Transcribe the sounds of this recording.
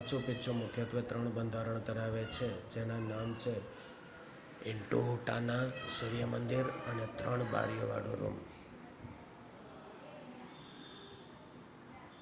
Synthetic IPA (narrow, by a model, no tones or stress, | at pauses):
t͡ʃʰopɪtt͡ʃʰomʊkʰjət̪ʋət̪ɾəɳbənd̪ʱaɾəɳt̪əɾaʋet͡ʃʰed͡ʒenanamt͡ʃʰe | ɪɳʈuɦuʈanasɪɾijəmənd̪iɾənet̪ɾəɳ̃ba̰ɾjəʋa̰ɽo̰ɾṵm